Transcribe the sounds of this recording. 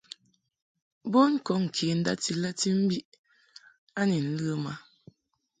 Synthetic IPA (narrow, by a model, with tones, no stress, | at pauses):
bo˦ŋ̩˦kɔ˨˦˨ŋ̩˨kʰe˨˦n̩˦da̰˦ti˦la˦ti˦m̩˦bi˦ʔ | a˦ni˨n̩˦lə˦ma˦